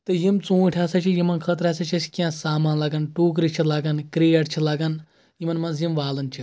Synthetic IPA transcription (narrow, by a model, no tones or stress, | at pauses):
t̪ɨjimt͡sũːʈʰʲaːsɐt͡ʃʰijimɐnkʰɐt̪̬ɾaːsɐt͡ʃʰɐt͡ʃʰi̥kʲãːsaːmaːnlɐɡɐnʈuːk̬ɾit͡ʃʰilaɡɐnkɾijɐʈt͡ʃʰilaɡɐn | jimɐnmɐnzjimʋaːlɐnt͡ʃʰi